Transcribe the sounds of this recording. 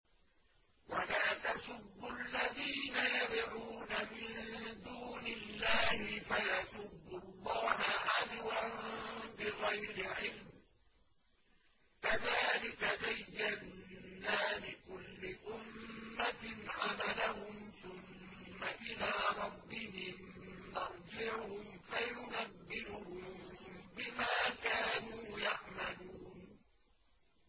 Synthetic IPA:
walaːt̪asʊbːʊʔlːaðiːnajɑd̪ˤʕuːnamɪnd̪uːnɪlːaːhɪfajasʊbːʊlˤːɑːhaʕad̪wanbɪɣajɾɪʕɪlm | kaðaːlɪkazajːadnaːlɪkʊlːɪʔʊmːanʕamalaɦʊmθʊmː | aʔɪlaːɾˤɑbːɪɦɪm | nɑɾˤd͡ʒɪʕʊhʊmfajʊnabːɪɾʊhʊmmbɪmaːkaːnuːjaʕmaluːn

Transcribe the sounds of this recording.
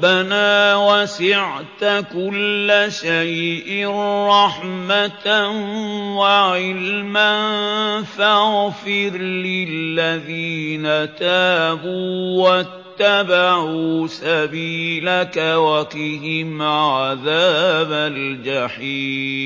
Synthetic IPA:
banaːwasɪʕt̪akʊlːaʃajʔɪɾˤɑħmat̪nwaʕɪlmanfaɣfɪɾlɪlːaðiːnat̪aːbuːwat̪ːabaʕuːsabiːlakawakɪɦɪmʕaðaːbald͡ʒaħiː

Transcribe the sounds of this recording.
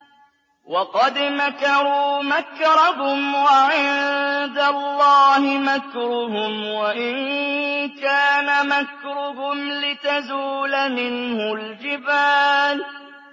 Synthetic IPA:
wɑqɑd̪makɑɾuːmakɾˤɑɦʊmwaʕɪnd̪alːɑːhɪmakɾʊhʊmwaʔɪn | kaːnamakɾʊɦʊmlɪt̪azuːlamɪnhʊld͡ʒɪbaːl

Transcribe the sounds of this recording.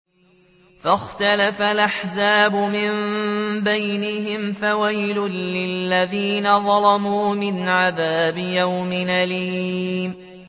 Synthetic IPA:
faxt̪alafalʔaħzaːbʊmɪmbajnɪɦɪmfawajlʊnːɪlːaðiːnaðˤɑlɑmuːmɪnʕaðaːbɪjawmɪnʔaliːm

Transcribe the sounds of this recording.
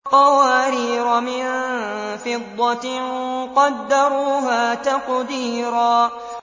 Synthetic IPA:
qɑwaːɾiːɾamɪnfɪd̪ˤːɑt̪qɑd̪ːaɾuːɦaːt̪aqd̪iːɾaː

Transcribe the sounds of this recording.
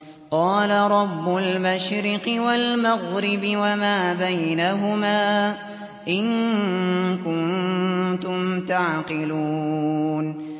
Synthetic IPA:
qɑːlaɾˤɑbːʊlmaʃɾɪqɨwalmaɣɾɪbɪwamaːbajnaɦʊmaː | ʔɪŋ | kʊnt̪ʊmt̪aʕqɪluːn

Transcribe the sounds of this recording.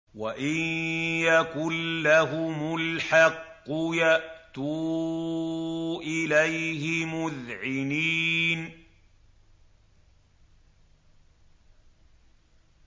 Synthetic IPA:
waʔɪnjakʊlːaɦʊmʊlħɑqːʊjaʔt̪uː | ʔɪlajhɪmʊðʕɪniːn

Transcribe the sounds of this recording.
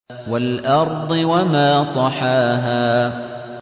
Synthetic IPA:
walʔɑɾˤd̪ˤɨwamaːt̪ˤɑħaːɦaː

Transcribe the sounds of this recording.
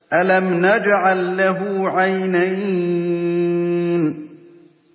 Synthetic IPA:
ʔalamnad͡ʒʕalːaɦuʕajnaj | n

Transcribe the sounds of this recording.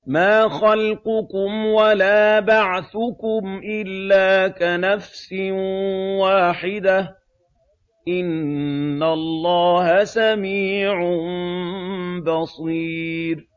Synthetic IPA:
maːxalqʊkʊmwalaːbaʕθʊkʊmʔɪlːaːkanafsɪnwaːħɪd̪a | ʔɪnː | alˤːɑːhasamiːʕʊ | bɑsˤiːɾ

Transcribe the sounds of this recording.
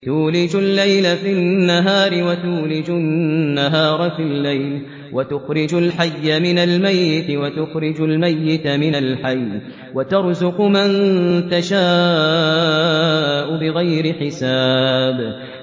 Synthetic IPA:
t̪uːlɪd͡ʒʊlːajlafinːaɦaːɾɪwat̪uːlɪd͡ʒʊnːaɦɑːɾˤfilːajl | wat̪ʊxɾɪd͡ʒʊlħajːamɪnalmajːɪt̪wat̪ʊxɾɪd͡ʒalmajːɪt̪mɪnalħaj | wat̪ɑɾˤzʊqmant̪aʃaː | ʔʊbɪɣajɾɪħɪsaːb

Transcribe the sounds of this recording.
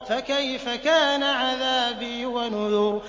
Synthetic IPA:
fakajfakaːnaʕaðaːbiːwanʊðʊɾ

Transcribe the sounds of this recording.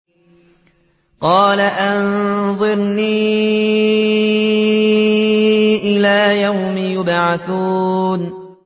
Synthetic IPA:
qɑːlaʔanðˤɨɾniː | ʔɪlaːjawmɪjʊbʕaθuːn

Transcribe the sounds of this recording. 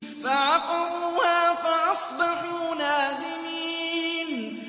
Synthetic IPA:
faʕɑqɑɾˤuːhaːfaʔɑsˤbɑħuːnaːd̪ɪmiːn

